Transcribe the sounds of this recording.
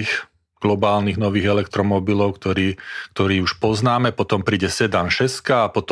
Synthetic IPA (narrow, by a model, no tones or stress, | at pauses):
x | ɡ̥lɔbaːlniɣnɔʋiːɣɛlɛkt̪ɾɔmɔbilɔʊkt̪ɔɾiːk̚t̪ɔɾiːuʃpɔznaːmɛpɔt̪ɔmpɾiːɟɛsɛd̪anʃɛskaːpɔt̪